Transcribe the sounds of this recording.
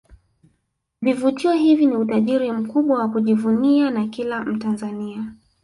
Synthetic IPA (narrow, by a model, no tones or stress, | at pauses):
vivutiɔɦiviniutaʄiɾim̩kuɓwawakuʄivunianakilam̩tanzania